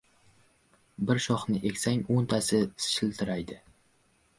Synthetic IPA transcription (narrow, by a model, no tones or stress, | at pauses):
bɪɾʃɒχnɪʔe̞kʲsaŋʲont̪ʰasɪsɪ̥ʃɪlt̪ʰɪɾajd̪ɪ